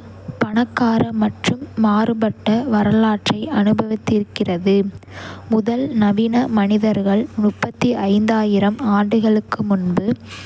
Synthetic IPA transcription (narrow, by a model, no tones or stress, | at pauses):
pɐɳɐkːaːɾɐmɐʈrɯmːaːrɯbɐʈːɐʋɐɾɐlaːʈrɐɪʔɐnɯbɐʋɪt̪ːɪɾkːɪrɐðɯ | mʊðɐlnɐʋɪnɐmɐnɪðɐɾɣɐɭmʊpːɐt̪ːiʔɐɪnd̪aːjɪɾɐmaːɳɖɯɣɐɭɯkːɯmʊnbɯ